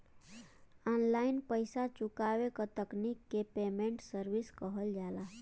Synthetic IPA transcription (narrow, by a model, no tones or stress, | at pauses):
ɔnlainpəɪsat͡ʃukabekət̪əknikːepemẽɳʈsəɾbiskəɦəld͡ʒala